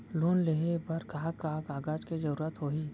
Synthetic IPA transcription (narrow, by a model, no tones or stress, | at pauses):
loːnleɦebɐɾkaɦakaːɦkaːɡaːd͡ʒked͡ʒɐɾuːɾət̪ɦoːiː